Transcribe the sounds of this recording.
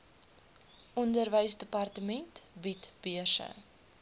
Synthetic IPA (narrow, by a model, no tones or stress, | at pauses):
ʔɔndərvəjsdəpɐrtəmɛntbitb̥iərsə̰